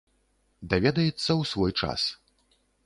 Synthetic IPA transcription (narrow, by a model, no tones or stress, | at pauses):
d̪avʲɛd̪ɐjɛt̪sːɐwsvɔjt͡ʂa̰s